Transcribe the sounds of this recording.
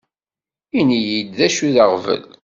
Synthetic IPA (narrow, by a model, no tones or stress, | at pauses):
inijid̪ðæʃuðəʁvə̰l